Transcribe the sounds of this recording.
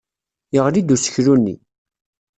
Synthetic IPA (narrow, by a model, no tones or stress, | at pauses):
jəʁlid̪usə̥çɾunːḭ